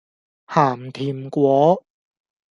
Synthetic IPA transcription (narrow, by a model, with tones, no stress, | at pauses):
haː˨˩mt̪ʰiː˨˩mkʷwɔː˨˥